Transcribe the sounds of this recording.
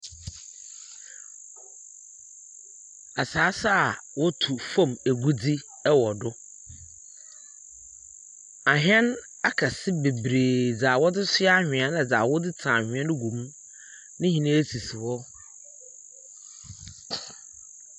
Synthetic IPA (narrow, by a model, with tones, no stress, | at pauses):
a˨saː˨˦sa˦˨wɔ˦tʰu˨fã˦˨me˨ɡu˦d͡zi˦ | ɛ˦wɔ˨dʊ˦ | a˨ɦᶣɛ̃˦n | a˦kʰa˨sɪ˦be˨bɾeː˨d͡za˨wɔ˦dɪ˦sɪ˦a˦hᶣɪ̃˨ɛ̃˦na˨d͡za˨wɔ˦dɪ˦tʰã˨hᶣɪ̃˨˦ɛ̃˦nɪ˦ɡũ˨mũ˦ | nɪ̃˦hĩ˨nã˦e˦si˨si˨wɔ˦